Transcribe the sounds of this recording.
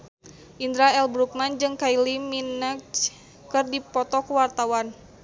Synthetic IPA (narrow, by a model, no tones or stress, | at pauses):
ʔind̪ɾaɛlbɾuk̚mand͡ʒɨŋkailiminək | kɨrdipɔt̪ɔkuwart̪awan